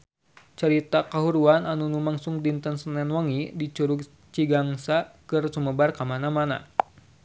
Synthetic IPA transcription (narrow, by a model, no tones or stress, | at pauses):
t͡ʃəɾit̪akaɦuɾuananunumaŋsuŋdint̪ənsənɛnwaŋidit͡ʃuɾuɡ | t͡ʃiɡaŋsakɨrsuməbarkamanamana̰